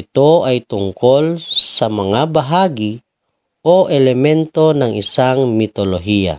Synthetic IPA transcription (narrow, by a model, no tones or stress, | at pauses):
it̪oajt̪uŋkolsamaŋabaɦaɡi | oʔelemɛnt̪onaŋisaŋmit̪oloɦia̰